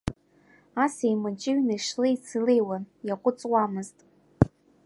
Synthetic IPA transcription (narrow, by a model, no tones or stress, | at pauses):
asejmɨt͡ʃʼɪɥnaʂlɨit͡sʰɨlejwanjaqʷʼʊt͡sʼwamɨztʼ